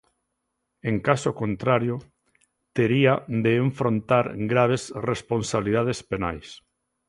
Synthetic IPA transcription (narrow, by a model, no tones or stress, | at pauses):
eŋkasokõnt̪ɾaɾjo | t̪eɾiad̪eːɱfɾõnt̪aɾɡɾaβ̞esresponsaβliðað̞espena̰js